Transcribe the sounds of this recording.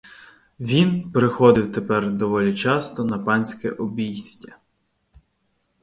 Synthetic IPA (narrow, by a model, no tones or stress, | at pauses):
ʋʲinpeɾexɔd̪ɪwt̪epɛrd̪ɔʋɔlʲit͡ʃɑst̪ɔnɐpɑnʲsʲkɛ̰ʔɔbʲijsʲtʲɐ